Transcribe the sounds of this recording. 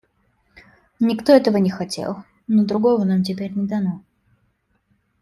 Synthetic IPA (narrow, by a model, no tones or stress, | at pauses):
nʲɪkt̪o̞ɛt̪əvənʲɪxɐtʲḛlˠ | nod̪ɾʊɡo̞vənamt̬ʲɪpʲeɾʲnʲɪd̪ɐno